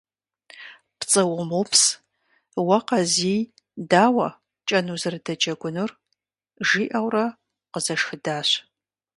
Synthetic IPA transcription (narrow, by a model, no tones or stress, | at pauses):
pt͡sʼɨwʊmupʰs | wɐqɐzij | daːwɐ | t͡ʃʼɐnuzɨrɨdɐt͡ʃʼɐɡʷʊnɨr | ʒiːʔɐwrɐ | qəzɐʂxɨdaːɕ